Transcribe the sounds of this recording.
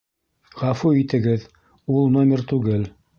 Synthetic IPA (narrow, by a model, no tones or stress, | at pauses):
ʁɑfuit̪ɘ̆ɡɘð | ulˠnomʲeɾt̪ʉɡɘl